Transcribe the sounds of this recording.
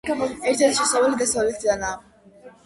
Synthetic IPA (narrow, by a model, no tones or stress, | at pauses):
ɛɾt̪ʰɛɾt̪ʰʃɛsavalid̪asavlit̪ʰd̪anaː